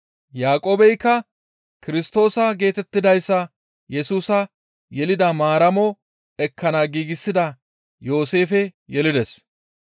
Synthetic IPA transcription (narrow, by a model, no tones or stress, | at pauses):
jaːkʼoːbɛjkːɐ | kɪɾɪst̪o̞ːsɐɡe̞ːt̪ɛt̪ːɪd̪ɐjsːɐ | jɛsuːsɐ | jɛlɪd̪ɐmaːɾɐmɔ | ɛkʰːɐnaːɡiːɡɪsːɪd̪ɐ | jo̞ːse̞ːfɛjɛlɪd̪ɛs